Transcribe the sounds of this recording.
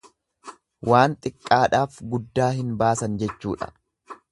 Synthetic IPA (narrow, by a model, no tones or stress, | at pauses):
waːnt̪ʼɪkʼːaːᶑaːfɡʊd̪ːaːhɪnbaːsɐnd͡ʒɛt͡ʃːuːᶑɐ̥̰